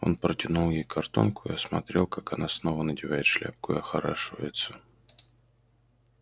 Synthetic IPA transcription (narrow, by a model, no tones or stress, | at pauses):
o̞̰npɾətʲɪnulˠjejkʰɐrt̪o̞̰nkʊɪ̰ɐsmɐt̪ɾʲe̞lˠkakɐnasno̞vənədʲɪvajɪt̪ʂlʲa̰p̚kʊɪ̰ɐxɐɾaʂɨvə̰jɪt̪sə̥